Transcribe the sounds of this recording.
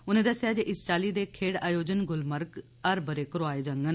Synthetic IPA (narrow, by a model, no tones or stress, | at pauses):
ʊnẽːd̪əsɪjaːd͡ʒeːʔɪst͡ʃaːliːd̪eːkʰeːɽaːjoːd͡ʒənɡʊlməɾk | əɾbəɾeːkəɾoaːeːd͡ʒəŋɡən